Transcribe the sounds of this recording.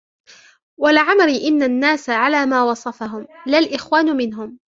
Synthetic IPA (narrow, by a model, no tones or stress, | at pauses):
walʕamɾɪʔɪnːanːaːsaʕalaːmaːwɑsˤɑfaɦʊmlalʔɪxwaːnʊmɪnɦʊm